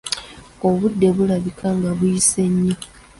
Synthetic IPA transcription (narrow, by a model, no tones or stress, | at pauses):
o̞βudːe̞βulaβikʰaŋɡaβujise̞ɲːi